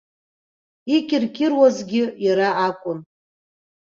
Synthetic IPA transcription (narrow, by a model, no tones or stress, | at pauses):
ikʲʼɪrkʲʰʼɪrwazɡʲɪjaɾaakʷʼʊn